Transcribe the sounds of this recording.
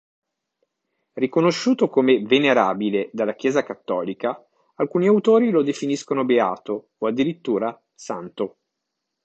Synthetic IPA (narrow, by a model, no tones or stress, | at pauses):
rikonoʃːuːt̪okomeveneɾaːbiled̪alːak̟jɛːzakat̪ːɔːlika | alkuːniawt̪oːɾilod̪efiniskonobeaːt̪o | oad̪ːiɾit̪ːuːɾa | sa̰nt̪o